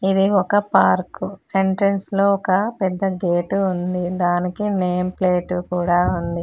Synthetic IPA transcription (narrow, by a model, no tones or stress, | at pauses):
id̪iɔkɐpaːɾkueɳʈɾɐnslo̞ːɔkɐpɛd̪ːɐɡeːʈuund̪id̪aːnikine̞ːmpleːʈukuːɽaːund̪i